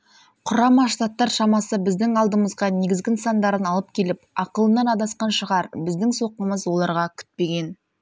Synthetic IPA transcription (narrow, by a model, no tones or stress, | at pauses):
qʰʊɾɑmɑʃt̪at̪ːɑɾʃɑmɑsəbɪzd̪ɪŋɑlˠd̪əməzʁɑne̞ɡʲɪzɡʲɪnsɑnd̪ɑɾənɑlˠəp̚kʲʰe̞lɪpɑqəlˠənːɑnɑd̪ɑsqɑnʃəʁɑɾbɪzd̪ɪŋso̞qəməzwo̞lˠɑɾʁɑkʲʰʏ̥t̪̚pe̞ɡʲe̞n